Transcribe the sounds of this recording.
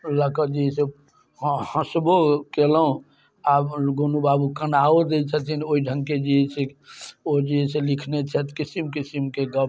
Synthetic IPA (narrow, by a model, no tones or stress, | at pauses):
ləkəd͡ʒiɦɛse | hə̃sbokelɦũ | abɡonubabukənaod̪et͡ʃʰət̪ʰinoiɖʱəŋked͡ʒiɛseod͡ʒiɦɛselikʰnet͡ʃʰɛt̪kisimkisimkeɡə